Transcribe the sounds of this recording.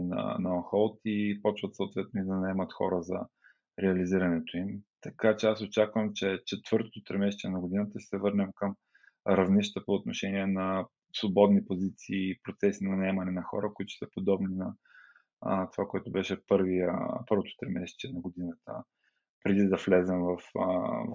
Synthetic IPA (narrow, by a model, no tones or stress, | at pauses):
nɐ̰nɐoxɔlˠt̪ipɔt͡ʃvət̪sot̪vɛt̪̚noid̪ɐnɐɛmɐt̪xɔ̰ɾəzɐ̰ | ɾɛɐliziɾɐnɛt̪oimt̪ɐkat͡ʃɛasot͡ʃakvəmt͡ʃɛt͡ʃɛt̪vɤɾt̪o̥t̪ot̪ɾɛmɛʃt̪iɛnɐɡʊd̪inət̪əʃɛsɛvɤɾnɛmkəm | ɾɐvniʃt̪əpoːt̪noʃɛniɛnɐ | svobɔd̪nipozit̪siːpɾot̪sɛsinɐnɐɛmɐnɛnɐxɔ̰ɾəkoit̪ʊ̥səpod̪ɔbninɐ | t̪ovakoɛt̪ʊbɛʃɛpɤɾvijə̰pɤɾvot̪o̥t̪ɾɛmɛʃt͡ʃ̪iɛnɐɡod̪inət̪ə̰ | pɾɛd̪id̪ɐflɛzɛmvɐf